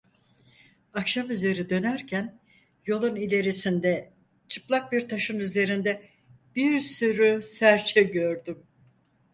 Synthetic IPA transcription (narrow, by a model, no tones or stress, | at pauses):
akʃamyze̞ɾid̪ø̞næɾcʰæn | jo̞lˠunilʲe̞ɾisind̪ɛ | t͡ʃʰɯplˠak̚biɾt̪ʰaʃɯnyze̞ɾind̪ɛ | b̥iɾsyɾysæɾt͡ʃʰɛɟø̞ɾd̪ym